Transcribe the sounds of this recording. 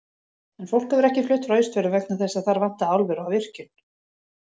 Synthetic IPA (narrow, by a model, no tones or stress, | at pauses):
ɛnfowl̥khɛvʏɾɛhcɪflʏht̪ɾœːɥst̪vɛɾʏvɛknaθɛsːaðθaɾvan̥t̪aawlvɛɾawvɪr̥cʏn